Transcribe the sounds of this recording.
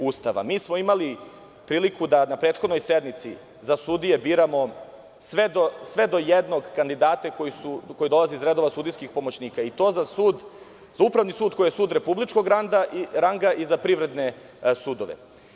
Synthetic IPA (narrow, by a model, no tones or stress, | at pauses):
ust̪aʋa̰miːsmoimali | pɾiːlikʰud̪anapɾeːt̪xod̪no̞jsed̪mit̪sḭ | zasud̪ije̞biːɾamo̞ | sʋed̪osʋe̞d̪o̞jed̪no̞ɡkand̪id̪aːt̪akojisuko̞jid̪o̞lˠaziizɾe̞d̪o̞ʋasuːd̪ijskixpo̞mo̞t͡ɕniːkait̪o̞ːzasud̪ | zaupɾavʋnisuːd̪̚ko̞jijesuːd̪ɾe̞publit͡ʃko̞ɡɾand̪aɾaŋɡaʔizapɾivɾe̞d̪ne | sud̪oʋḛ